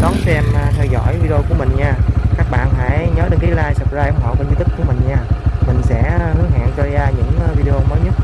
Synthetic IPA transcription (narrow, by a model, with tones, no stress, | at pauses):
kɔ˨˦nsɛ˧m˨˩t̪ʰɛː˧wzɔ̰˧˩jvi˧ɗo˧ku˧˩əmï˨˩ŋ̟ɲaː˧˩kaː˦˥k̚ɓa̰ː˧˨nfa̰ː˧˥˩jɲəː˨˦jɗe˨˦nkaː˨˦jlaː˧jsə˨˩p̚zaː˧jʔə˧˦ŋ͡mɦɔ̰˧˨wknvi˨˦t̪ɨ˦˥k̚kṵ˧˩əmï˨˩ŋ̟ɲaː˧˩mï˨˩ŋ̟sɛ̰˧˥hɨ˨˦˥əŋha̰ː˧˨ŋt͡ɕɔ˧zzaː˧ɲɨ̰˧˥ŋː˨vi˧ɗə˧o˧məː˨˦jɲə˦˥t̚